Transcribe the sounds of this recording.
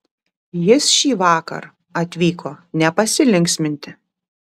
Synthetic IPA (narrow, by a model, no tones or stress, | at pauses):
jɪsʃʲiːʋɑːkɐ̰ɾ | ɐt̪ʲʋʲiːkʰoːnʲɛpɐsʲɪlʲɪŋʲksʲmʲɪnʲt̪ʲɪ